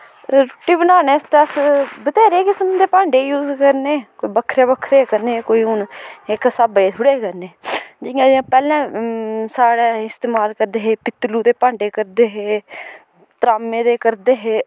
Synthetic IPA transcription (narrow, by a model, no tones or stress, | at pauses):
ɾoʈiːbənaːneːst̪eəsbət̪ɛːɾeːkɪsəmd̪eːpãːɳɖeːjuːzkəɾneːkoːiːbəkʰːɾeːbəkʰɾeːkəɾneːkoːiːʊneksaːbeːt̪ʰʊɽeːkəɾneːd͡ʒɪjãːd͡ʒãːpɛːlɛ̃ːsaːɽɛːɪst̪eːmaːlkəɾd̪eːɦeːpɪt̪ːluːd̪eːpãːɳɖeːkəɾd̪eːɦeː | t̪ɾaːmẽːd̪eːkəɾd̪eːɦeː